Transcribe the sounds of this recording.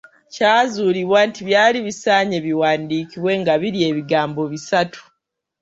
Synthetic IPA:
caːzuliβwaːntiβjaːliβisaːɲeβiwaːndiːkiβwe̞ːŋɡaβiɾie̞βiɡaːmbo̞βisatʰu̥

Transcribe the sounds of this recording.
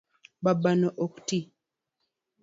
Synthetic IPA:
babanɔʔoku̥ti

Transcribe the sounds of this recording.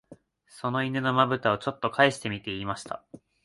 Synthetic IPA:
so̞no̞inɯ̟no̞mabɯ̟t̪ao̞t͡ɕo̞t̪ːo̞kʰaeɕi̥t̪e̞mʲit̪e̞iːmaɕi̥t̪a̰

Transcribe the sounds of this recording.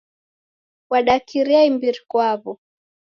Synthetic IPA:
waɗakiɾiaimbiɾikwaβɔ

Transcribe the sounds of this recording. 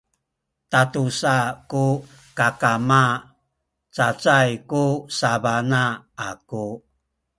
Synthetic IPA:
tatusaku | kakama | t͡sat͡sajkusabanaaku

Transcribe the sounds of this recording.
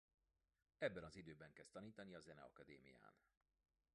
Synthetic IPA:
ɛbːɛnɒzid̪øːbɛŋkɛst̪ɒniːt̪ɒniɒzɛnɛ̰ɒ̰kɒd̪ḛːmḭja̰ːn

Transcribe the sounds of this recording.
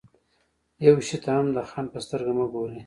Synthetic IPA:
jawʃit̪ʰaamd̪əxɑnpəst̪əɾɡamaɡoɾi

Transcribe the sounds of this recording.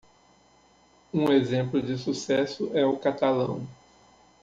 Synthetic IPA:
ũezẽmplʊd͡ʒɪsusɛsʊʔɛʊkat̪alɐ̰̃w̃

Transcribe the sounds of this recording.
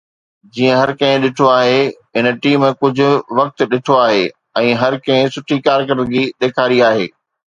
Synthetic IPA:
d͡ʑiːə̃ɦɐɾkɐ̃ɦɪ̃ɗɪʈʰoaːɦe | ɪnəʈiːm̃ːkʊd͡ʑʱʊ̆ʋɐk̚t̪̆ɗɪʈʰoaːɦeː | ɛ̃ːɦɐɾkɐ̃ɦɪ̃sʊʈʰikaːɾkəɾd̪d͡ʑiːɗ̪eːkʰaːɾiaːɦeː

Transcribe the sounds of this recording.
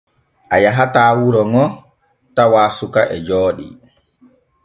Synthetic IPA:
ʔajaɦataːwuɾɔŋɔ | tawaːsukaʔɛd͡ʒɔːɗḭ

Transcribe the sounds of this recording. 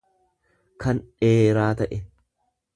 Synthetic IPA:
kʰɐnᶑeːɾaːt̪ɐʔɛ

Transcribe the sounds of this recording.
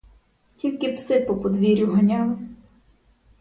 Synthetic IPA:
kʲilʲkɪpsɪpɔpɔd̪ʋʲiɾʲuɦɐnʲɑm

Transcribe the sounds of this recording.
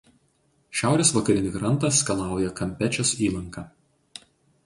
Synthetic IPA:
ʃʲæˑʊɾʲeːsʋɐkɐɾʲɪnʲɪɡɾɐnt̪ɐskɐlˠɑˑʊjɛkɐmʲpʲɛt͡ʃʲosiːlˠɐŋkɑː

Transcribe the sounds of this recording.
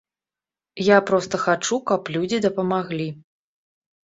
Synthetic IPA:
japɾɔst̪ɐxat͡ʂukɐplʲud͡zʲid̪ɐpɐmaɣlʲi

